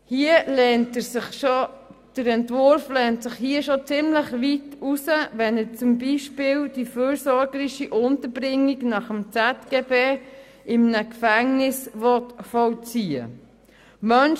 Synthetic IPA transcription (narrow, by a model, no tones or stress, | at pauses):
hiəlɛntəsɪχʃod̥əɾɛntvʊɾflɛntsɪχhiəʃot͡sɪmləχʋitusəvɛnət͡sʊmbiːʃpɪːld̥iføːɾsɔɾɡəɾiʃiʔʊntəɾbɾɪŋːiɡnɑχəmt͡sɛtɡ̥eːbeː | ʔɪmnəkfæŋnɪsvɔtfɔlt͡siːə̰ | mœn